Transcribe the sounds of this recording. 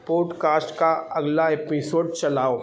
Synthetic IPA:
poːɖkaːsʈkaɐɡlaeːpɪsoːɖ̚t͡ʃɐlaːo

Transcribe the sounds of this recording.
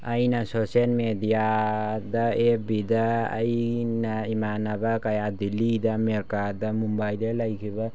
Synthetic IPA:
ajnasoselmed̪ijad̪aebid̪a̰ːjnaimanabakajad̪ilid̪ameɾkad̪amumbajd̪elajkʰiba

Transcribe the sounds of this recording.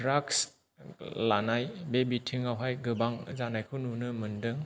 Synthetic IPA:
dɾaks | lanajbebitʰiŋawɦajɡɯbaŋzanajkʰɯnunɯmɯndɯŋ

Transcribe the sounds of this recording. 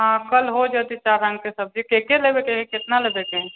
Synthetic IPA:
ɦãkəlɦod͡ʒat̪it͡ʃaɾãŋɡkesəb̚d͡ʒikekelebekeɦẽkɪt̪nalebekeɦẽ

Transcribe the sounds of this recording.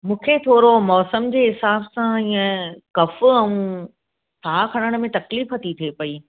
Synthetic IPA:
mũːkʰet̪ʰoːɾomɔːsəmd͡ʑeːɦɪsaːbsãiːə̃kɐfʊɛ̃ũ | t̪ʰaːkʰɐɽ̃əɽ̃mẽt̪ɐkliːfɦɐt̪it̪ʰepɐi

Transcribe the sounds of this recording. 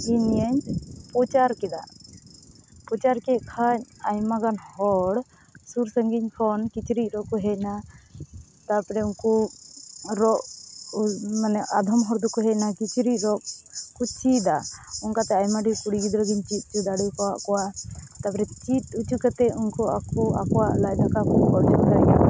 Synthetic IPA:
inijəɲpɔt͡ʃaɾkɛd̪a̰ | pɔt͡ʃaɾkɛkʰaɲajmaɡanhɔɽ | suɾsəŋɡiɲpʰɔnkit͡ʃɾic̚ˀɾɔʔkɔɦɛc̚na | t̪apɾɛunku | ɾɔʔ | manɛad̪ʱɔmɦɔɽd̪ɔkɔɦɛc̚nakit͡ʃɾic̚ˀɾɔʔkut͡ʃid̪auŋkat̪ɛajmaɖʱikuɽiɡid̪ɾəɡiɲt͡ʃit̪̚ˀkud̪aɽujkɔwaʔkɔwat̪apɾɛt͡ʃit̪̚ut͡ʃukat̪ɛunkɔakua̰kɔwaʔlaʔd̪akakɔkɔɽd͡ʒɔd̪aa

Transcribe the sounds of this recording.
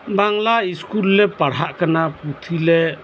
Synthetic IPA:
baŋlaiskulːɛpaɽ̤aʔkanaput̪ʰile

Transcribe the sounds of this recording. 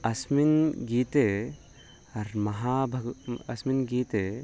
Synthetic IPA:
ɐsminɡit̪e | ɐɾmɐɦabʱɐɡɐsminɡiːt̪e

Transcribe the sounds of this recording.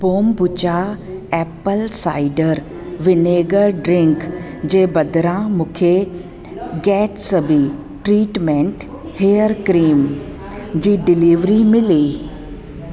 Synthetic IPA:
boːmbʊt͡ɕaɛpəlsa̰ːɪɖəɾ | ʋɪneːɡəɾɖɾɪ̃ŋk | d͡ʑeːbɐd̪ɾãmʊ̃kʰe | ɡɛːʈsɐbʱi | ʈɾiːʈmẽɳʈ | heːjəɾkɾiːm | d͡ʑiːɖɪliːʋɾimɪliː

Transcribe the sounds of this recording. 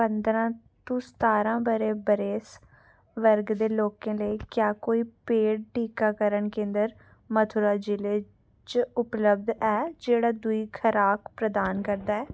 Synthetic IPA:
pə̃nd̪ɾãː | t̪õːst̪aːɾãːbəɾeːbəɾeːs | ʋəɾɡd̪eːloːkẽːləikjaːkoːiːpeːɖ̚ʈiːkaːkəɾəɳkẽːnd̪əɾ | mət̪ʰʊɾaːd͡ʒɪleː | t͡ʃʊpləb̚d̪ɛːd͡ʒeːɽaːd̪ʊiːkʰəɾaːkpɾəd̪aːnkəɾd̪aːɛː

